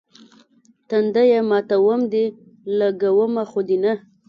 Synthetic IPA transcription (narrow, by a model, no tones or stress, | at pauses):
t̪and̪ajamɑt̪awəmd̪i | laɡawəmaxʊd̪ina